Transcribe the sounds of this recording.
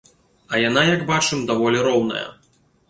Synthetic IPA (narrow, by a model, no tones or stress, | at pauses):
ɐjan̪ajɐɡbat͡ʂɨmd̪avɔlʲiɾɔwnɐ̰jɐ̰